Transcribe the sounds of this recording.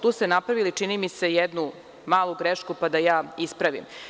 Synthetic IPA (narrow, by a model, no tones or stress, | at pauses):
t̪uːst̪enapɾaʋilit͡ʂinimise̞jed̪nu | maːlˠuɡɾeʃkupad̪ajaːispɾaʋḭm